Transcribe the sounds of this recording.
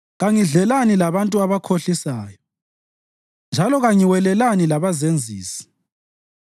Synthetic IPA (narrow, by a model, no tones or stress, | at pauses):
ɣaŋiɮɛlanilaβantʼuaβakʰoɬisaːjɔ | nd͡ʒʱalɔɣaŋiwɛlɛlanilaβazend͡zʱḭːsi̥